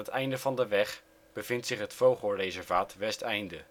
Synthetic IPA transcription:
ətɛjndəvɑndəʋɛχ | b̥əvɪntsɪχɦətfowχəlrejzɛɹvaːtʋɛstɛjndə

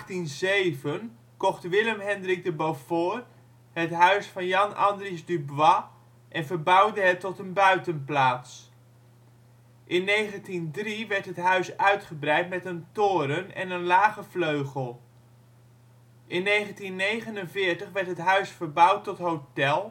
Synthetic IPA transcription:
tinzejvən | kɔχtʋɪləmɦɛndrik̚dəbowfoːr | hətɦœɥsfɑnjɑnɑ̰ndrisdybʋɑ | ʔɛnvəbʌwdəɦətːɔtənbœɥtənplaːts | ʔɪnːejχəntindriʋɛɹtɦətɦœɥsœɥtχəbrɛjtmɛtəntoːɾənɛ̰nənlaːχəfløɥχəlˠ | ʔɪnːejχəntinːejχənənvɪːɹtəχʋɛɹtɦətɦœɥsfəɹbʌwtːɔtɦowtɛlˠ

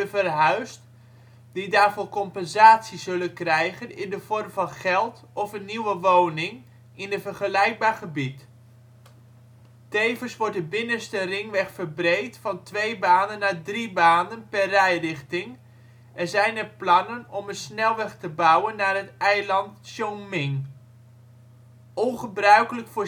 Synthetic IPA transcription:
dəvərɦœɥst | d̥idaːrvɔːkɔmpɛnzaːtsiz̥ɵlənkrɛjχənɪndəv̥ɔrmvɑnχɛlˠt | ɔfənːiwəʋownɪŋ | ɪnəvərχəlɛjk̚baːrχəbit | tejvəsʋɔɹdəbɪnəstərɪŋʋɛχfəɹbrejktfɑntʋejbaːnənːaːdribaːndənpɛrrɛjrɪχtɪŋ | ɛɹzɛjnərplɑnənɔmənsnɛlˠʋɛχtəbʌwənːaːrɦətɛjlɑntʃɔŋmɪŋ | ɔnχəbrœɥkələkfʊː

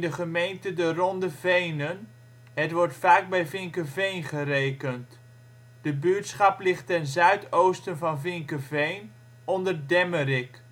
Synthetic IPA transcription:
ndəχəmejntədərɔndəvejnən | ɦətʋɔɹtfaːɡ̚bɛjvɪŋkəvejnχərejkənt | d̥əbytsχɑplɪχtɛnzœɥtowstənvɑnvɪŋkəvejn | ɔndəɹdɛməɾɪk

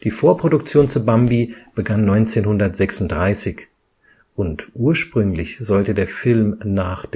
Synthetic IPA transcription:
d̥iːfoːɐpʁ̥odʊkt͡sjoːnt͡sʊbambib̥əɡanːɔʏnt͡seːnhʊndɐtz̥ɛksʊntd̥ʁaɪsɪç | ʔʊntʔuːɐʃpʁ̥ʏŋlɪçz̥ɔltədeːɐfɪlmnaːχd̥

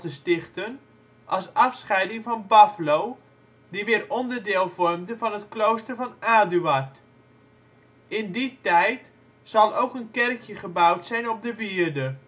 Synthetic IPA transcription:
təstɪχtən | ʔɑsɑfsχɛjdɪŋvɑnbɑflow | diʋɪːɾɔndərdɪːlˠvɔrmdəvɑnɦətklowstərvɑnaːdyʋart | ʔɪnditɛjt | sɑlˠowkənkɛrkjəχəbawtsɛjnɔp̚dəʋiərdə

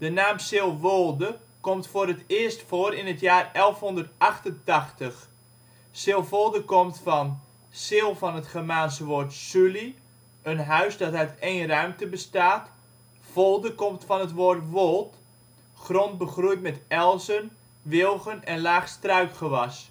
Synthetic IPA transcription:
d̥ənaːmsɪlˠʋolˠdə | komtfoːɾətɪəstfoːəɾɪnətjaːrɛlˠfhɔndərtɑχtəntɑxtəx | sɪlˠfolˠdəkomtfɑn | sɪlˠfɑnətχəmaːnsəʋoːrtsyli | ənɦœɥsdɑtaɥtʰejnrœɥmtəbəstaːt | folˠdəkɔmtfɑnətʋoːrtʋolˠt | χront̚bəχrujtmɛtɛlˠsən | ʋɪlˠɣənɛnlaːχstrœɥkχəʋɑs

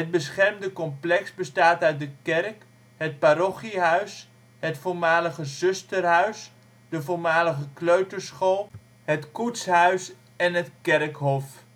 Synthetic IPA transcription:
ɦət̚bəsχɛrmdəkɔmplɛksbəstaːtœɥt̚dəkɛrk | ɦət̚paɾɔχiɦœɥs | ɦətfoːɹmaːləχəzɵstərɦœɥs | dəvoɹmaːləχəkløɥtəɹsχolˠ | ɦətkutsɦœɥs | ɛnɦətkɛrkɦɔf

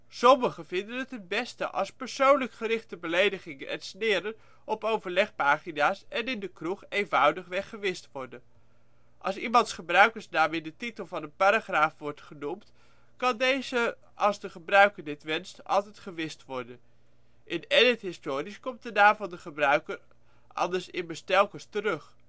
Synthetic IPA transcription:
sɔməχəvɪndənətət̚bɛstə̰ʔɑ̰lˠspəɹsownləkχərɪχtəbəlejdəχɪŋənʔɛ̰nsnɪːɾən | ɔpowvəɹlɛχpaːχinaːsɛnɪndəkruχejnvɑwdəχʋɛχəʋɪstʋɔɹdən | ʔɑlˠsimɑntsχəbrœɥkəɹsnaːmɪndətitəlˠvɑnənpaɾaχraːfʋɔɹtχənumt | kɑndejzə | ɑlˠzdəχəbrœɥkəɹdɪtʋɛnstʔɑ̰lˠtɛtχəʋɪstʋɔɹdən | ʔɪnɛdətɦɪstoːɾiskɔmt̚dənaːmvɑndəχəbrœɥkər | ʔɑ̰ndəɹsɪnməstɛlˠkəstərøχ

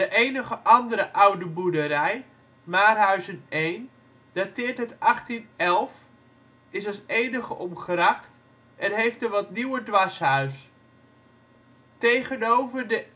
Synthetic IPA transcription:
dəʔejnəχəʔɑndəɾəʔʌwdəbudəɾɛj | maːrɦœɥzənejn | d̥atɪːɹtɦətɑχtinɛlˠf | ɪsɑlˠsejnəχəʔɔmχraχt | ʔɛnɦejftəʋɑtniwədʋasɦœɥs | tejχənowvəɹdə

